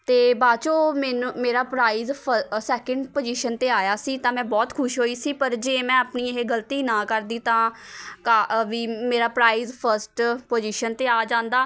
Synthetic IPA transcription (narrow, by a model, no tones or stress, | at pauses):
t̪eːbaːt͡ʃoːmɛːnũːmeːɾaːpɾaːiːzʰsɛːkə̃ɳɖpoːd͡ʒiːʃənt̪eːaːjaːsiːt̪ãːmɛ̃ːbɔːt̪kʰʊʃɦoːiːsiːpəɾd͡ʒeːmɛ̃ːəpniːeɦeːɡəlt̪iːnãːkəɾd̪iːt̪ãːkaːʋiːmeːɾaːpɾaːiːzpʰəɾsʈpoːd͡ʒiːʃənt̪eːaːd͡ʒãːnd̪aː